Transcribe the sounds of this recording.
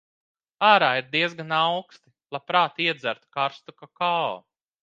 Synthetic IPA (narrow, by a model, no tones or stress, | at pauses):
aːɾaːiɾd̪iɛzɡanawkst̪ilˠapɾaːt̪iɛd̪zæɾt̪u̥kaɾst̪ukakaɔ̰